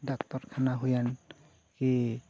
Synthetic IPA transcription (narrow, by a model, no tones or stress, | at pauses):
dɔkt̪ɔɾkʰanaɦujan | ki